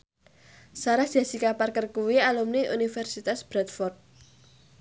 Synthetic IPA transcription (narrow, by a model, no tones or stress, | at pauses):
saɾad̥asikaparkərkuwialumniʔṵnifɛrsit̪asb̥ɾat̪̚fɔrt̪̚